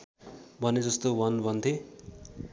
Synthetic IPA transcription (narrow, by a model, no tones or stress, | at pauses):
bʱʌned͡zʌst̪owʌnbʱʌnt̪ʰe